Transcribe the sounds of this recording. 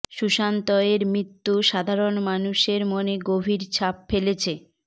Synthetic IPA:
ʃuʃant̪ɔeɾmɾit̪ːuʃad̪ʱaɾonmanuʃeɾmoneɡobʱiɾt͡ɕʰapfelet͡ɕʰe

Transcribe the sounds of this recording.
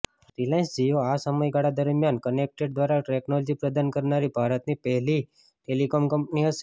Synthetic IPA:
fɾilãnsd͡ʒijoasəməjɡaɽad̪əɾmjankənek̚ʈeɖd̪ʋaɾaʈeknɔlɔd͡ʒipɾəd̪ankəɾnaɾibʱaɾət̪nipɛɦli | ʈelikomkəmpniɦəʃe̥

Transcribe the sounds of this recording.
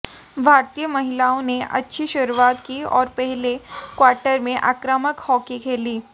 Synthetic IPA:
bʱaːɾt̪ijəmɐɦɪlaːõneʔɐ̰tːʃʰiʃʊɾuaːt̪kiɔ̰ːɾpɛɦlekwaːɾʈəɾmẽʔa̰ːkɾəməkhɔːkikʰeːliː

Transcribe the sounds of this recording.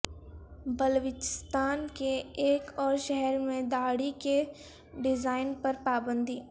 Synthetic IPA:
bəlʋɪt͡ʃɪ̥st̪aːnkeːkɔːɾʃɛɦɛɾmẽd̪aːɽike | ɖɪzaːɪnpɐɾpaːbə̃nd̪ʱiː

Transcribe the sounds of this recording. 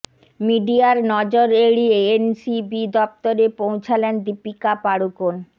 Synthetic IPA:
miɖiaɾnɔd͡ʑoɾeɽieensibid̪ɔp̚t̪oɾepowt͡ɕʰalend̪ipikapaɽukon

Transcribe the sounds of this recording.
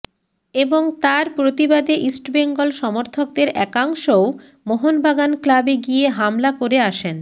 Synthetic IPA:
eboŋt̪aɾpɾot̪ibad̪eʔisʈbeŋɡolʃɔmoɾt̪ʰok̚d̪eɾɛkaŋʃo | moɦonbʱaɡanklabeɡieɦamlakoɾeaʃen

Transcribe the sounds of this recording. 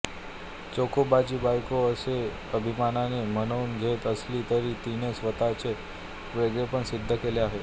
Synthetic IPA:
t͡sokʰobad͡ʑibajkoəse | əbʱimananemənəunɡʱet̪əslit̪əɾit̪inesʋət̪at͡ɕe | ʋeɡɾepəɳsid̪ʱːəkeleaɦe

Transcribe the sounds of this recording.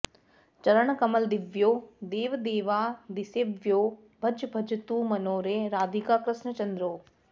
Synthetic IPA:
t͡ʃɐɾəɽ̃kɐməld̪ɪʋjoːd̪eːʋd̪eːʋaːd̪ɪseʋjoː | bʱɐd͡ʒbʱɐd͡ʒt̪uːmɐnoːɾeːɾaːd̪ʱikaːkɾɪsnət͡ɕɐ̃nd̪ɾoː

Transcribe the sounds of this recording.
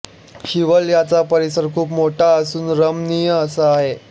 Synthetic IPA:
ɕiʋəljat͡sapəɾisəɾkʰuːpmoʈʰaəsuːnɾəmnijəəsəaɦe

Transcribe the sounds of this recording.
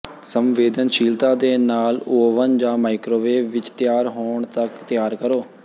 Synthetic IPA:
səmʋeːd̪ənʃiːlt̪ãːd̪eːnaːloːʋənd͡ʒãːmaːɪkɾoːʋeːʋɪt͡ʃt̪ɪjaːɾɦoːɳt̪əkt̪ɪjaːɾkəɾoː

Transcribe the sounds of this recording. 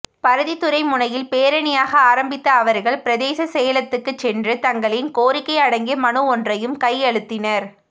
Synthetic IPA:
pɐɾɐðit̪ʊɾɐɪmʊnɐjɪlpeːɾɐnɪjaːɣɐaːɾɐmbɪt̪ːɐːʋɐɾɣɐɭpɪɾɐðeːsɐsɛjɐlɐt̪ːɯkːɯt͡ʃːɛndrɯt̪ɐŋɡɐɭɪnkoːɾɪkːɐɪɐɽɐŋɡimɐnɯɔndrɐjɯmkɐjɛɻɯt̪ːɪnɐɾ

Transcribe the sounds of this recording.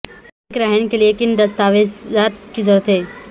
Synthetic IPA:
kɾɐɦnekeliekɪnd̪ɐst̪aːʋed͡ʒzaːt̪kizɔɾət̪ɦeː

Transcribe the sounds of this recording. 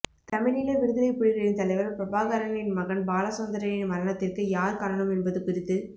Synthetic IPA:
t̪ɐmɪɻɪlɐʋɪɽɯðɐlɐɪpɪɻɪɣɐɭɪnt̪ɐlɐɪʋɐɾpɾɐbaːɣɐɾɐnɪnmɐɣɐnbaːlɐsoːnd̪ɐɾɐjɪnʋɐɾɐɳɐt̪ːɪrkɯjaːɾkaːɾɐɳɐmɛnbɐðɯkʊɾɪt̪ːɯ

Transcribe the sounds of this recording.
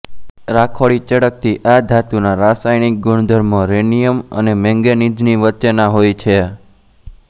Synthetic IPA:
ɾakʰoɭit͡ʃəɽək̚t̪ʰiʔad̪ʱat̪unaɾasajnik̚ɡuɳ̃d̪ʱəɾmõɾenijəmə̰nemɛ̃ŋɡenid͡ʒniʋət͡ʃənaɦojt͡ʃʰe

